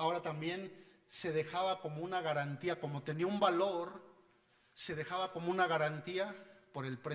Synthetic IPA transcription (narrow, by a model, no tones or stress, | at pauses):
ao̞ɾat̪ambje̞n | se̞ðe̞xaβako̞mo̞unaɣaɾant̪iako̞mo̞t̪e̞niaumbalo̞ɾ | se̞ðe̞xaβako̞mo̞unaɣaɾant̪iapo̞ɾe̞lpɾe